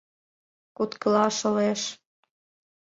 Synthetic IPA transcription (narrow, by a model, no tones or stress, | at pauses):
kut̪kə̆lɑʃɤ̆leʃ